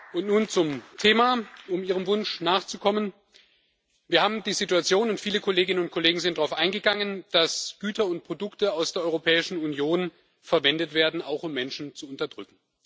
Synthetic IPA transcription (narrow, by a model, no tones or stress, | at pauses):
ʔʊntnuːnt͡sʊmtʰeːmaːʊmiːʁ̞əmvʊnʃnaːχt͡sukʰɔmən | viːɐhaːbm̩diːzituat͡sjoːnʊntfiːləkʰoleːɡɪnənʊnt̚kʰoleːɡŋ̩zɪntd̥ʁaʊfʔaɪnɡəɡaŋənd̥asɡ̥yːtʰɐʊnt̚pʁ̥odʊktəaʊsd̥eːɐɔʏʁopʰɛːɪʃn̩unjoːn | fɛɐvɛndətv̥eːɐdn̩aʊxʊmːɛnʃn̩t͡suʊntɐdʁʏkŋ̩